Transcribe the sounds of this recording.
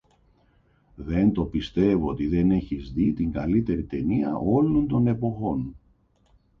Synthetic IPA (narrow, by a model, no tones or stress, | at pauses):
ðe̞nt̪o̞pist̪e̞voot̪iðe̞ne̞çizðit̪iŋɡɐlit̪e̞ɾit̪e̞niɐ̰ʔo̞lont̪o̞ne̞po̞xo̞n